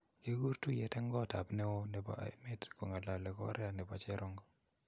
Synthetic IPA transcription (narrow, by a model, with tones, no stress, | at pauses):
d͡ʒe˦ɡu˦ɾtu˦jɛ˦tɛ˦ŋɡɔ˦˨ta˨pnɛ˦o˦nɛ˨ba̰˨˦me˦tɾi̥˨ko˨ŋa˨la˨lɛ˨kɔ̰˦ɾɛ˦a˨nɛ˨ba˨t͡ʃɛ˦ɾɔ˦ŋɡɔ˦